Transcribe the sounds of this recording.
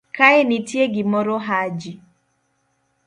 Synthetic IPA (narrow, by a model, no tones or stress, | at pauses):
kaɪnitjeɡɪmɔɾɔɦad͡ʒi